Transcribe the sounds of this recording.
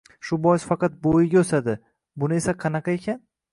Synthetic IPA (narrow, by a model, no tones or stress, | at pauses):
ʃʊbɒjɪsfɑqɑt̪̚bojɪɡʲaɵsad̪ɪ | bʊnɪe̞saqʰɑnɑqʰɑe̞kʲʰan